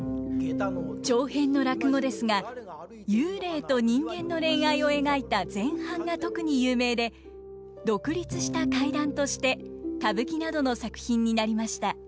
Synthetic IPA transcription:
t͡ɕo̞ːhẽ̞nːo̞ɾakɯ̟ɡo̞d̪e̞sɨŋa | jɯːɾe̞ːt̪o̞ɲ̟ĩŋɡẽ̞nːo̞ɾẽ̞ɰ̃aio̞e̞ɡait̪ad͡zẽ̞ɰ̃hãŋɡat̪o̞kɯ̟ɲ̟ijɯːme̞ːd̪e̞ | d̪o̞kɯ̟ɾʲit͡sɨɕi̥t̪akaid̪ãnt̪o̞ɕi̥t̪e̞ | k̪abɯ̟kʲinad̪o̞no̞sakɯ̟̥çĩɲ̟ːinaɾʲimaɕi̥t̪a

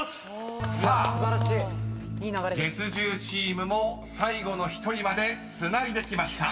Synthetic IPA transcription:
saːɾɕi | aɾɡe̞t͡sɨʑɨːt͡ɕiːmɯ̟mo̞ | saiɡo̞no̞çi̥t̪o̞ɾʲimad̪e̞ | sɨnaɾʲid̪e̞kʲimaɕi̥t̪a

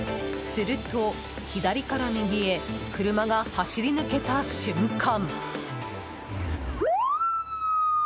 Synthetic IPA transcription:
sɨɾɯ̟t̪o̞ | çid̪aɾʲikaɾamʲiɡʲie̞kɯ̟ɾɯ̟maɡahaɕiɾʲinɯke̞t̪aɕɨ̃ŋkʰãŋ

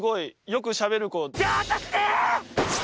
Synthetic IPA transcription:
ɡo̞ijo̞k̬ɯ̟ɕabe̞ɾɯ̟koat̪ak̪e̥

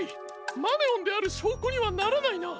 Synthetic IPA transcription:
i | maneõnd̪e̞aɾɯ̟ɕo̞ːkoɲ̟iβanaɾanaina

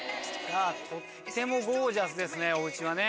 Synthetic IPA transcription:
jat̪ʰo | se̞moɡoːʑasɨd̪e̞sɨne̞o̞ɯ̟t͡ɕiβane̞

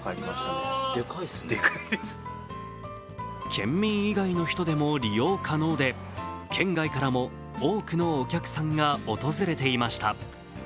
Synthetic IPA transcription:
kaɾʲimaɕt̪ad̪ekaisekaid̪es | kʰẽ̞̰mːʲĩɰiɡaino̞çi̥t̪o̞d̪e̞mo̞ɾʲijo̞ːkʰano̞ːd̪e̞ | kʰẽ̞ŋɡaikaɾamo̞ | oːkɯ̟no̞ːkʲakɯ̟̥sãŋɡaot̪o̞zɨɾe̞t̪e̞imaɕi̥t̪a

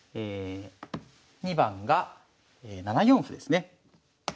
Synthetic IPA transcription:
eː | ɲ̟ibãŋɡa | eːnanajõ̞ɰ̃ɸɯ̟d̪e̞sɨne̞

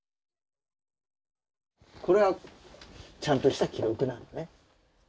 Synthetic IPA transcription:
koɾewa | t͡ɕant̪͈oɕʰi̥sakiɾokɯnanone

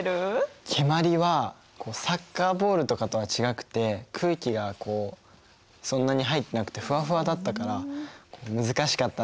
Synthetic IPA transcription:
ɾɯkʲʰemaɾʲiβa | kʰo̞ːsakːaːbo̞ːɾɯ̟t̪o̞kat̪o̞βat͡ɕiɡakɯ̟̥t̪e̞kʰɯ̟ːkʲiɡako̞ː | sõ̞nːaɲ̟iɦait̪ːe̞nakɯ̟̥t̪e̞ɸɯ̟βaɸɯ̟βad̪at̪ːakaɾakʰo̞ːmɯ̟zɨkaɕi̥kat̪ːa

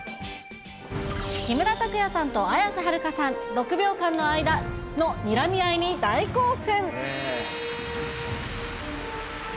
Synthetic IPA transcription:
kʲimɯ̟ɾat̪akɯ̟jasãnt̪o̞ajasɨɦaɾɯ̟kasãnɾo̞kɯ̟bʲo̞ːkãnːo̞aid̪ano̞mʲiɾamʲiaiɲ̟id̪aikoːsẽŋ

